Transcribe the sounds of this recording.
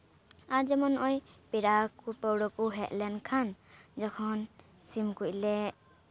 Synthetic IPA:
aɾd͡ʒɛmɔnʔɔjpiɾakupəwɽɔkuɦɛt̪̚lɛnkʰand͡ʒɔkʰɔn | simkuc̚lɛ

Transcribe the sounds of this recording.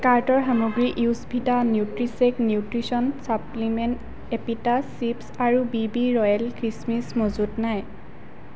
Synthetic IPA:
kaɹtɔɹɦamuɡɹiʔiwsbʱitanjutɹiseknjutɹisɔnsaplimɛnt | epitasːipsaɹubibiɹɔjɛlkɹismismozudnaj

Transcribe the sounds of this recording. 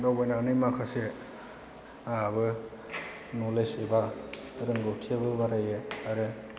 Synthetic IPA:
dɔwbajnanimakʰase | aabɯ | nɔleseba | ɾɯŋɡɯwtʰiabɯbaɾajeaɾɯ

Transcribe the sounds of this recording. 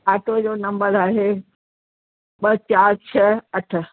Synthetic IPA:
aːʈʰod͡ʑoːnɐ̃mbəɾaːɦe | ɓɐt͡ɕaːɾt͡ɕʰɐɐʈʰə̆

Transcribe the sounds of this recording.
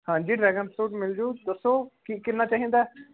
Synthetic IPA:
hãːɲd͡ʒiːɖɾɛːɡəmsuːʈmɪld͡ʒuːd̪əsːoːkiːkɪnaːt͡ʃaːɦĩːnd̪aː

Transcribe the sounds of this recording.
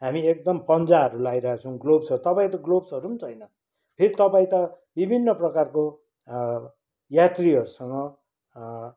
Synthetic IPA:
ɦamiek̚d̪ʌmpʌnd͡zaɦʌɾulajɾʌaat͡sʰʌw̃ɡlobsʌɾut̪ʌpaĩt̪ʌɡlobsʌɾut͡sʰʌjnʌ | pʰeɾit̪ʌpaĩt̪ʌ | bibʱinːʌprʌkarko | jat̪riʌɾusʌŋɡʌ

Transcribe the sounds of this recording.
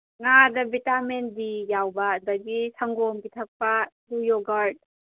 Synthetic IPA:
ŋadɐbitamen̚bijawbɐdɐɡisʰaŋɡɔmkitʰɐk̚pɐ | lujoɡaɾd̚

